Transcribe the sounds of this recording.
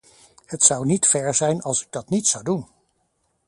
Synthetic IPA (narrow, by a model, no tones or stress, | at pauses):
hətsʌwnitfɛɹzɛjnɑlˠsɪ̥ɡ̚dɑtnitsʌwdun